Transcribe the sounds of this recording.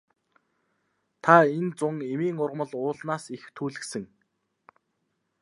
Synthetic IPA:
t̪ʰaent͡sʊŋemiːŋʊrʁ̆mə̆ɮʊːɮnaːsixt̪ʰuːɮɘ̆ksɘ̆ŋ

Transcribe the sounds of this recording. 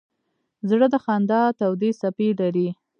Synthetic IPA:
zɽəd̪əxɑnd̪ɑt̪awd̪isapilaɾi

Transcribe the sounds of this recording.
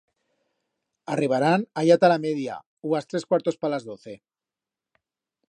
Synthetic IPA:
ariβ̞aɾanaʎat̪alameðja̰ | uast̪ɾeskwaɾt̪ospalazðoθe

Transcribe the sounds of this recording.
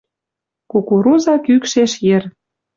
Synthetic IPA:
kukuɾuzɑkykʃeʃjĕr

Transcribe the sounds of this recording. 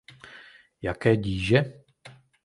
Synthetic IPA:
jakɛːɟiːʒɛ

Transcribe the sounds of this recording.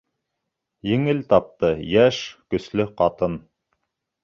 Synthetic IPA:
jɘ̆ŋɘlt̪ɑp̚t̪ɤjæʃkɵ̆slɵqɑt̪ɤn

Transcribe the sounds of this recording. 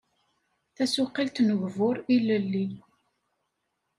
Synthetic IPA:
θæsʊqːilt̪nəʝvʊɾˤiləlːi

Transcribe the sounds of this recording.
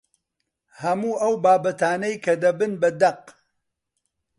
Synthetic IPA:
hɐmuːʔɐwbaːbɐt̪aːnɐjkʰɐd̪ɐbɨnbɐd̪ɐq

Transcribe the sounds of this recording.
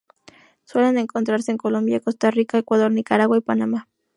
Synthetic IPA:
swe̞le̞ne̞ŋko̞nt̪ɾaɾse̞eːŋko̞lo̞mbjaeko̞st̪arikae̞kwað̞o̞ɾnikaɾaɣwaipanama

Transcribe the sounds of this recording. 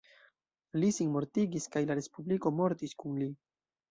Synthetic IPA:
lisinmo̞ɾtiɡiskajlaɾe̞spubliko̞mo̞ɾtiskunli

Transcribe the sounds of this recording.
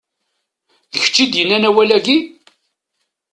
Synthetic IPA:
ðəçə̥t͡ʃːid̪jənːænæwælæɡi

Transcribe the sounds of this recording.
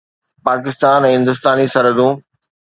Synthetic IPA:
paːkɪst̪aːnɛ̃ːɦɪ̃nd̪ʊst̪aːnisɐɾəd̪ũː

